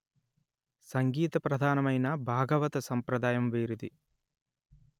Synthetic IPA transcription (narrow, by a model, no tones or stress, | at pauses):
sɐŋɡiːt̪ɐpɾɐd̪ʱaːnɐmɐjnɐbʱaːɡɐʋɐt̪ɐsɐmpɾɐd̪aːjɐmʋiːɾud̪i